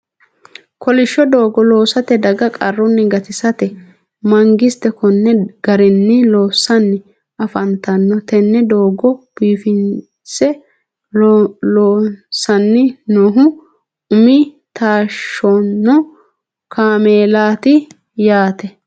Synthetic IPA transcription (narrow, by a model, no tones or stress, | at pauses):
kɔlɪʃːɔd̪oːɡɔlo̞ːsɐt̪ɛd̪ɐɡɐkʼɐrːɔnːɪɡɐt̪ɪsɐt̪ɛ | mɐŋɡɪst̪ɛkɔnːɛɡ̥ɐɾɪnːɪloːsːɐnːɪ | ʔɐfɐnt̪ɐnːɔt̪ɛnːɛd̪oːɡɔb̥iːfɪn | sɛ | loːsːɐnːɪnoːɦʊ | ʊmɪ | t̪aːʃːonːɔ | kʰaːmeːlaːt̪ɪ | jaːt̪ɛ